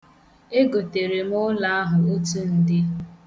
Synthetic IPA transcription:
e˦ɡo˨te˨ɾe˨m˦ʊ˦la˨a˦ɦʊ˨o˦tu˦n̩˦dɪ˦

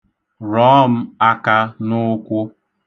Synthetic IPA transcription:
ɾɔ˦˨m̩˦a˦ka˦nʊ˦kʷʊ˦

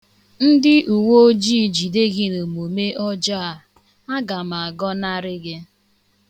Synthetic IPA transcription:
n̩˦dɪ˦ʔu˨wo˦o˦d͡ʒiː˦˨d͡ʒi˨de˦ɡɪ˦no˨mo˨me˦ʔɔ˦d͡ʒa˦a˨ | a˦ɡa˨ma˨a˨ɡɔ˦na˦ɾɪ˦ɡɪ˦

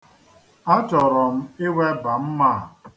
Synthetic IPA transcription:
a˦t͡ʃɔ˨ɾɔ˨m̩˦ɪ˦we˦ba˨m̩˦ma˦˨

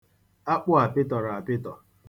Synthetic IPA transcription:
a˦k͡pʊ˦a˨pɪ˦tɔ˨ɾa˨a˨pɪ˦tɔ˨

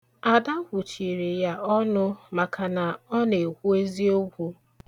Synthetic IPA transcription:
a˨da˦kʷʊ˨t͡ʃi˨ɾi˨ja˦ɔ˦nʊ˦ma˨kʰa˨na˨ɔ˦ne˨kʷu˦e˦zi˦o˦ɡʷu˦

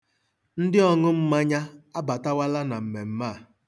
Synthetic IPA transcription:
n̩˦dɪ˦ɔ˦ŋʊ˦m̩˦ma˦ɲa˦a˦ba˨ta˦wa˦la˦na˨m̩˨me˨m̩˦maː˦˨

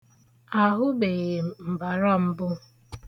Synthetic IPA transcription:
a˨ɦʊ˦be˨ɣe˨m̩˨m̩˨ba˨ɾɔ˦m̩˦bʊ˦

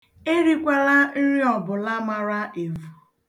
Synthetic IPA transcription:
e˦ɾi˦kʷa˦la˦ɾi˦ɔ˨bʊ˨la˦ma˨ɾa˦e˨vu˨

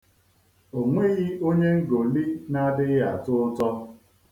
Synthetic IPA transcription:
o˨ŋʷe˦ɣi˦o˦ɲe˦ŋ̩˦ɡo˨li˦na˦dɪ˦ɣɦa˨tʊ˦ʊ˦tɔ˦

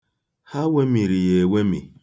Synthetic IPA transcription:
ha˦we˦mi˨ɾi˨je˨we˦mḭ˨

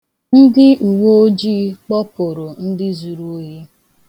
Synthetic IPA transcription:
n̩˦dɪ˦u˨wo˦o˦d͡ʒiː˦k͡pɔ˦pʊ˨ɾo˨n̩˦dɪ˦zu˨ɾu˦ɦi˦

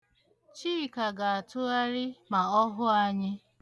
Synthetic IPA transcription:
t͡ʃiː˦˨ka˨ɡa˨a˨tʊ˦a˦ɾɪ˦ma˨ɔ˦ɦʊ˦a˦ɲɪ˦

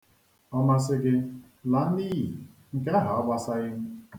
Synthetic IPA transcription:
ɔ˦ma˦s̬ɪ˦ɡɪ˦ | la˨n̩˦niː˦ɦḭ˨ | ŋ̩˨ke˦ɦa˨ɔ˦ba˦sa˦ɣɪ˦m̩˦

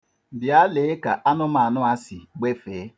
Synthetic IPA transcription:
bja˦le˨˦ka˨ʔa˦nʊ˦ma˨nʊ˦a˦sɪ˨ɡ͡be˦feː˨˦

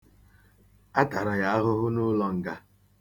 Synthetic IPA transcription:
a˦ta˨ɾa˨ja˦a˦ɦʊ˦ɦʊ˦nʊ˦lɔ˦ŋ̩˨ɡa˦

